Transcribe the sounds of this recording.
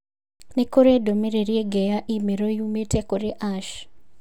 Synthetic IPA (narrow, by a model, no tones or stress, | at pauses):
nekoɾedomeɾeɾieɡɛjaʔimeɾojumetɛkoɾeʔaʃ